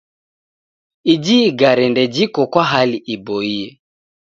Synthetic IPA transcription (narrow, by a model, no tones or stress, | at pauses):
id͡ʒiɡaɾɛndɛd͡ʒikɔkwaɦaliʔibɔiɛ